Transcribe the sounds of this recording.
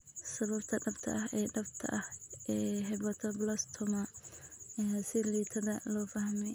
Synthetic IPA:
sɐβɐbt̪ʰɐɖɐbt̪ʰɐ̰ʔɐɦɛːɖɐbt̪ʰɐ̰ʔɐhʔɛːɦɛβɐt̪ʰɐblɐst̪ʰʊmɐ | ɛsɪliːt̪ʰɐðɐlɔːfɐhmɛj

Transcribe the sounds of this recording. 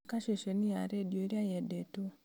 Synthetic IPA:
kaʃeʃenija̰ɾedjoɾjajɛdeto

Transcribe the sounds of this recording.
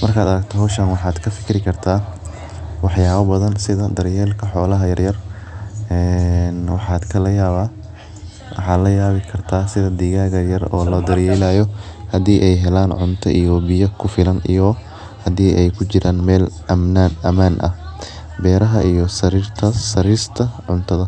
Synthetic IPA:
mɐrkʰaːd̪ɐɾɐɡ̚t̪ʰɔɦɔːʃɐnwɑħɑːd̪kʰɐfɪ̥kʰɪɾɪkʰɐrt̪ʰaː | wɑħjaːβɐbɐðɐnsɪðɐd̪ɐɾjɛːlkʰɐħɔːlɐɦɐjɐrjɐr | ɛːnwɑħɑːd̪kʰɐlɐjaːβaː | wɑ̰ħɑːd̪lɐjaːβɪkʰɐrt̪ʰaːsɪðɐd̪iɣaːɣɐjɐrɔ̰ːlɔːd̪ɐɾjɛlaːjɔhɐd̪iːʔɛjɦɛlaːnʕʊ̰nt̪ʰɐ̰ʔijɔbɪjɐkʰʊfɪlɐnḭjɔ | hɐd̪iːʔɛjkʰʊt͡ʃɪɾʔaːnmɛːlɐmnaːnɐmaːnʔɐ̰ | bɛːɾɐɦɐʔijɔsɐɾiːrt̪ʰɐsɐɾiːst̪ʰɐʕʊnt̪ʰɐðɐ

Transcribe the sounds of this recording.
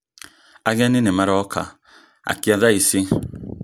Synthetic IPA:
aɡɛninemaɾɔɔka̰ | a̰kiaðaisi

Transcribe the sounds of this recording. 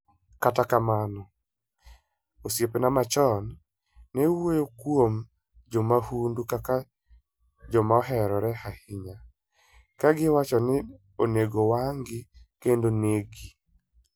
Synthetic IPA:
katakamanɔ | osjepenamat͡ʃɔnː | ɛwojokwom | d͡ʒomahundukaka | d͡ʒɔmaɔɦɛɾɔɾɛhahɪɲa | kaɡɪwat͡ʃɔnɪ | oneɡowaŋɡɪkendoneɡi

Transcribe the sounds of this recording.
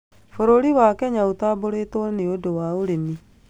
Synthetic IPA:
foɾoɾiwakɛɲaotaːboɾetwɔneodowaoɾemi

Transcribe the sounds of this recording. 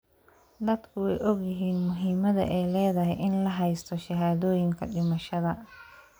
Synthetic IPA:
d̪ɐd̪kʰʊwɛjʔɔɡjɪɦiːnmʊɦiːmɐðɐ̰ʔɛjlɛːðɐɦɛʔɪnlɐɦɛjst̪ʰɔʃɐɦaːðɔːjɪŋkʰɐ̰ɗɪmɐʃɐðɐ

